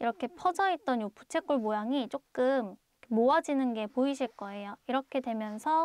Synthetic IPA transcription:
iɾʌkʰe̞pʰʌd͡ʑʌit̚t͈ʌnjopʰu̥t͡ɕʰe̞k͈uɭmojaŋit͡ɕ͈ok͈ɯm | kʰmoad͡ʑinɯnɡe̞poiɕʰiɭk͈ʌe̞joiɾʌkʰe̞dwe̞mjʌnsʰʌ

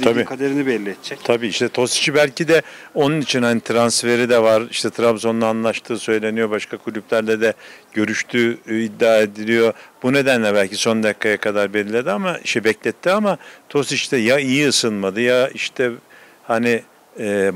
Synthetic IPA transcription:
abiːkʰad̪eɾinibɛllʲːiɛt̪d͡ʒɛct̪ʰabiːiʃt̪ɛt̪ʰo̞si̥t͡ʃʰibælʲcid̪ɛo̞nunit͡ʃʰinhanit̪ʰɾansfe̞ɾid̪ɛvaɾiʃt̪ʰɛt̪ʰɾabzo̞nːaːnlˠaʃt̪ʰɯːsø̞jlʲe̞nijo̞baʃkʰakʰulʲyblʲæɾlʲɛd̪ɛɟ̥ø̞ɾyʃt̪ʰyːid̪ːaːe̞d̪ilʲijo̞bune̞d̪ænlʲɛbælʲcʰiso̞nd̪akʰːajakʰad̪aɾbeɾilʲed̪iamaiʃtɛbɛclʲɛt̪ʰːiamat̪ʰo̞sit͡ʃt̪ɛjaijiɯsɯnˠmad̪ɯjaiʃt̪ʰɛ | hani | ɛː

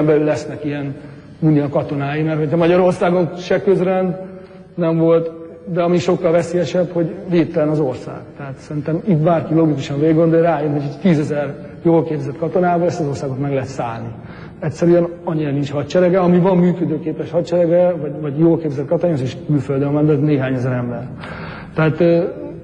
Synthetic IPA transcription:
ɛmbɛlylːɛsnɛkiɛn | uniɒkɒt̪o̞naːjimɛrhojɛmɒɟɒɾo̞rsaːɡo̞nʃɛkøzrɛnd̪ | nɛɱvo̞lt̪ | d̪ɛɒmiʃo̞kːɒlvɛseːjɛʃɛbho̞ɟveːtt̪ːɛlɛnɒzo̞rsa̰ːɡ̥t̪ɛɦat̪sɛɾint̪ɛmit̪baːrkiloɡikuʃɒɱveːɡɡo̞nd̪ojraːjønɦocʰoct̪iːzɛzɛr | joːlkeːbzɛt̪kɒt̪o̞naːbɒlɛst̪ɒzo̞rsaːɡo̞t̪mɛɡlɛɦɛt̪sa̰ːlni | ɛcsɛɾyɛnɒɲːiɾɒnint͡ʃhɒt̪t͡ʃɛɾɛɡɛɒmivɒmːyːkød̪øːkeːpɛʃhɒt̪t͡ʃɛɾɛɡɛvɒɟvɒɟjoːlkeːbzɛt̪kɒt̪onazeːʃkylføld̪ønvɛnd̪ɛzneːɦaːɲɛzɛɾɛmbɛr | t̪ɛat̪ː

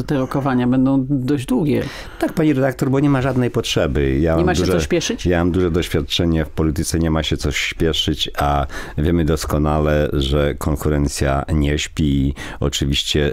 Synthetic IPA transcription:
ɛt̪ɛɾɔkɔvaɲabɛnd̪ɔ̃w̃d̪ɔʑd͡ʑd̪wuɡʲjɛ | t̪ak̚paɲiɾɛd̪ak̚t̪ɔɾbɔɲɛmaʐad̪nɛjpɔtʂɛbɘjaaɛmauɛʐɔɕpʲjɛʂɘt͡ɕjamamd̪uʐɛd̪ɔɕfʲjat̪̚t͡ʂɛɲɛfpɔlʲit̪ɘt̪sɛɲɛmaɕɛt̪sɔɕpʲjɛʂɘt͡ɕavʲjɛmɘd̪ɔskɔnalɛʐɛkʰɔŋkuɾɛnt̪sʲja̰ɲɛɕpʲi | ɔ̰t͡ʂɘvʲiɕt͡ɕɛ

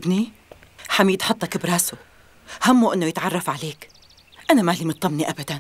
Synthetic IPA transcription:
bni | ħamjɪt̪ħʊt̪ˤːɑkɪbɾaːsu | hamːuʔɪnːojɪt̪ʕɑrˤːɑfʕaleːk | ʔanamalimʊt̪ˤːɑmniʔabad̪an

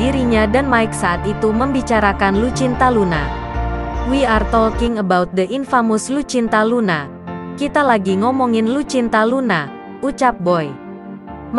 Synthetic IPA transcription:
iɾiɲadanmaɪksaat̪it̪uməmbit͡ʃaɾakanlut͡ʃint̪aluna̰ | wiart̪ɔlkɪŋəbaut̪̚dəʔinfamʊslut͡ʃint̪aluna | kit̪alaɡiŋɔmɔŋɪnlut͡ʃint̪aluna | ut͡ʃap̚bɔj

